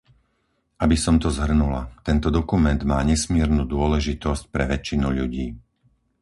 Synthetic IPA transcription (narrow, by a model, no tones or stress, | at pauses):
ʔabisɔmt̪ɔzɦr̩nula̰t̪ɛnt̪ɔd̪ɔkumɛnd̪maːɲɛsmɪɛɾnuːd̪ʊɔlɛʒit̪ɔsc̚pɾɛʋɛt͡ʃːinuʎuɟiː